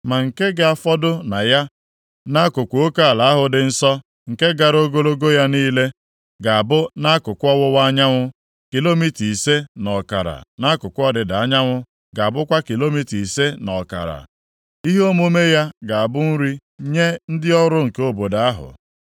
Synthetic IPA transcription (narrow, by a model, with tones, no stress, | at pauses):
ma˨ŋ̩˨ke˦ɡɪ˦a˨fɔ˦dʊ˦na˨ja˦ | na˦kʊ˨kʷo˦ka˦a˨la˨a˦ɦʊ˨dɪ˨n̩˦sɔ˦ | ŋ̩˨ke˦ɡa˨ɾo˦ɡo˦lo˦ɡo˦ja˦niː˦le˦ | ɡa˨a˨bʊ˦na˦kʊ˨kʷɔ˦wʊ˦wa˦ɲa˦ŋʷʊ˦ | ki˨lo˦mi˦ti˨se˦nɔ˨ka̰˨ɾa̰˨na˦kʊ˨kʷʊ˦ɔ˦dɪ˨da˨a˦ɲa˦ŋʷʊ˦ | ɡa˨a˨bʊ˦kʷa˦ki˨lo˦mi˦ti˨se˦nɔ˨ka̰˨ɾa̰˨ | i˦ɦo˦mo˦me˦ja˦ɡa˨a˨bʊ˦n̩˦ɾi˦ | ɲe˦n̩˦dɪ˦ɔ˦ɾʊ˦ŋ̩˨ke˦o˦bo˨da˨˦a˦ɦʊ̰˨